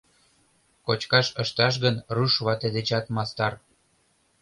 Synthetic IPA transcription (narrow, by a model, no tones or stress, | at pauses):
kot͡ɕkɑʃəʃt̪ɑʃ̬ɣənruʃβɑt̪ed̪et͡ɕɑt̪mɑst̪ɑr